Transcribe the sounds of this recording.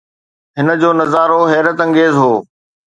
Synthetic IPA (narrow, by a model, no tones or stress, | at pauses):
ɦɪnə̆d͡ʑoːnɐzaːɾoɦɛːɾət̪ɐ̃ŋɡeːzɦoː